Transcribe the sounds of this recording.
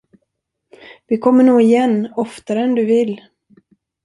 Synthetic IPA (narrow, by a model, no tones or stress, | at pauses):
vɪkʰɔmːəɳoːɪjɛnːɔft̪aɾɛnd̪ɵvɪlː